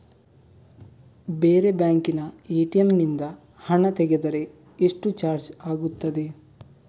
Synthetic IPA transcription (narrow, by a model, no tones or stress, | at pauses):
beːɾe̞bjaːŋkinɐeːʈiɐmnind̪ɐ | hɐɳɐt̪ɛɡed̪ɐɾe̞ | eʂʈut͡ʃaːɾd͡ʒaːɡut̪ːɐd̪e